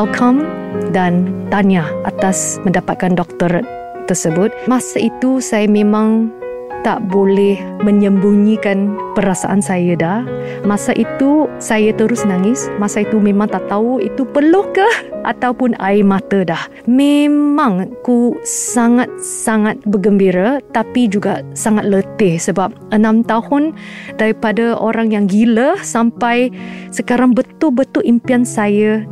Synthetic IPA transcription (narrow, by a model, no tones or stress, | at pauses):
alkʰamdant̪anaʔat̪asmə̃ndapat̪̚kandɔk̚t̪əɾ | t̪ərsəbʊt̪̚mãsait̪usajamẽmãŋ | t̪a̰ʔbolɛh | mə̃ɲəmbuŋikanpəɾasa̰ʔansajadah | mãsaʔit̪usajat̪əɾʊsnaŋɪsmasait̪umẽmãŋt̪aʔt̪auit̪upəlohkahʔa̰t̪awpʊna̰ɪmat̪ədah | memãŋkusaŋat̪̚saŋat̪̚bəɡəmbiɾat̪apid͡ʒuɡasaŋat̪̚lət̪ɪhsəbap̚ənãmt̪ahʊndaɾipadaoɾaŋjaŋɡiləhsampajsəkaɾaŋbət̪ʊlbət̪ʊlʔimpiansajə